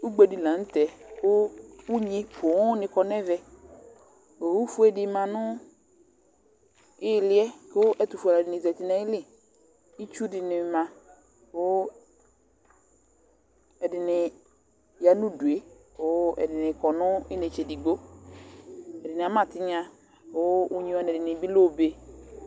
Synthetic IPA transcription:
u˦ɡ͡be˦di˨lã˨n̩˦t̪ɛ˨ʊ˦u˦ɲĩ˦pʰʊ˨˦nɪ̃˨kɔ˨nɛ˦vɛ˦ | o˨wu˦fu˦ɛ˦dɪ˨mã˨nʊ̃˦ | ɪ˦˨lɪ˦ɛ˦ko˦ʔɛ˦t̪u˨fa˨la˨dɪ˨nɪ̃˨zɛ˨t̪ɪ˦nɛ̃˦ɪ˦lɪ˦ | i˦t͡ʃu˦dɪ˨nɪ˨mã˨ | o˦ | ɛ˨dɪ˨nɪ˨ | ja˨nũ˦du˨e˦ | o˦ɛ̰˨dɪ˨nɪ˨kɔ˨nʊ̃˦ɪ˦ne˨t͡ʃɛ˨di˨ɡ͡bo˦ | ɛ˨dɪ˨nɪ˨a˨˦mã˨tɪ˦ɲã˦ | o˦u˦ɲĩ˨˦ɔ˨˦nɛ˨dɪ˨nɪ˨bi˦lo˦˨be˨

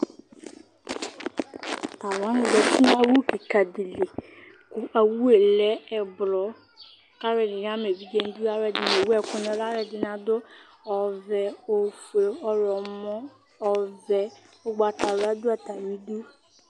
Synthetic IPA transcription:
t̪a˨wa˨˦nɪ̃˨˦dɛ˨ti˦n˦a˦wu˦ki˨ka˨di˨le˨ | kʊ˨ʔa˨wu˦e˨lɛ˦ɛ˨blɔ˨˦ | ka˦ɾɛ˨nɪ˨ɲ˦ã˦me˨vi˦d͡ʒɛ˦n˦du˦a˦ɾɛ˨dɪ˨ne˨wu˦ɛ˨kʊ˦nɔ̃˨la˦ɾɛ˨dɪ˨nã˨dʊ˦ | ɔ˨vɛ˨o˨fe˨ɔ˨lɔ˨mɔ̃˦˨ | vɛ˨ | o˦ɡ͡ba˨ta˨ɾa˦dʊ˦ɛ˨t̪a˨mĩ˦du˦

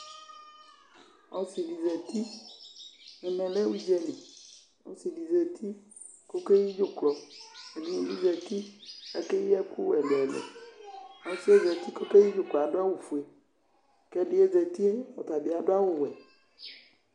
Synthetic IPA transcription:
ɔ˦si˨li˨zɛ˨t̪i˦ | nɛ˨mɛ̃˨lɛ˦wu˦i˦d͡ʒɛ˦li˨ | o̰˨si˨li˨zɛ˨t̪ʰi˦ | ko˦ke˦ji˦d͡ʒo˦klɔ˨e˨ni˦wi˨li˦zɛ˨t̪i˦ɛ˦ke˦ji˦ɛ˦ku˦wɛ˨lɛ˨lḛ˨ | ɔ˨si˦e˦zɛ˨t̪i˦ko˦ke˦ji˦d͡ʒo˨klɔ˨a˨do˦a˦wu˨fu˨e˨ | kɛ˦ɖi˨˦e˦zɛ˨t̪i˦e˦wɔ˨t̪a˨bi˨a˨ɖo˦a˦wo˦wɛ˨

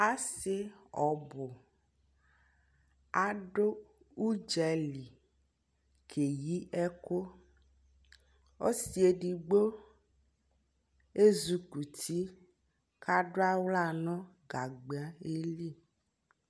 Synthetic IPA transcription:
a˦se˦ɔ˨bo˨ | a˨ɖo˦ | u˦d͡ʒɛ˨li˨ | kʰe˨ji˦ɛ˦ko˦ | o˦si˨e˨ɖi˨ɡ͡bo˦ | e˦zu˨ku˨t̪ʰi˦ | ka˦ɖo˦a˦wla˦˨nɔ̃˦ | ɡa˨ɡ͡be˨a˦e˦li˦˨

